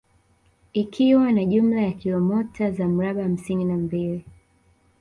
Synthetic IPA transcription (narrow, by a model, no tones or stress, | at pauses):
ikʰiwanaʄum̩lajakilɔmɔtʰazam̩ɾaɓaham̩sininambili